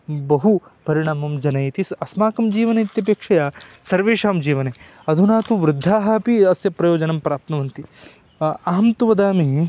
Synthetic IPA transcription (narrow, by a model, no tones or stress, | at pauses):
bɐɦupɐɾiɽ̃aːmɐmd͡ʒɐnɐjit̪isɐsmaːkɐmd͡ʒiːʋɐnɐt̪jɐp̬eːkʂɐjasɐɾʋeːʂaːmd͡ʒiːʋɐne | ɐd̪ʱunaːt̪uʋɾɪd̪ʱːaːɦɐpiɐsjɐpɾɐjoːd͡ʒɐnɐmpɾaːp̚t̪nɐʋɐnt̪i | ɐɦɐmt̪uʋɐd̪aːmi